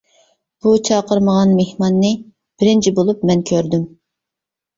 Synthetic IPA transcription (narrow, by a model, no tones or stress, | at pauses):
b̥ut͡ʃʰɑqəɾməʁɑnmehmɑnːɨ | b̥ɪɾɪnt͡ʃʰibolˠup̚mɛnkʲʰøɾd̪ym